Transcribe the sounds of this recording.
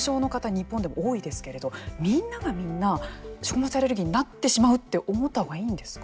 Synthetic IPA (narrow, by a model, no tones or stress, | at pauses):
ɕo̞ːno̞kat̪aɲ̟ipːond̪e̞mo̰oːid̪e̞sɨ̥ke̞ɾe̞d̪o̞mʲĩnːaɡamʲĩnːaɕokɯ̟mot͡siaɾe̞ɾɯ̟ɡʲiɲ̟inat̪ːe̞ɕimaɯ̟t̪ːe̞ʔomo̞t̪ːahoɡaiːnd̪e̞sɨ̥k